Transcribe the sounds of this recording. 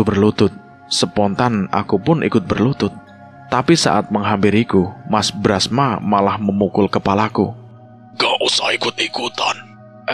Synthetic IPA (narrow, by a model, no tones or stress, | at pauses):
ubərlut̪ʊt̪̚ | səpɔnt̪ana̰kupʊnʔḭkʊt̪̚bərlut̪ʊt̪̚ː | apisa̰ʔat̪̚məŋɦampɪɾikumasbɾasmamalahməmukʊlkəpalaku | ɡ̥ɔʔusɔikʊt̪̚ikut̪ɔn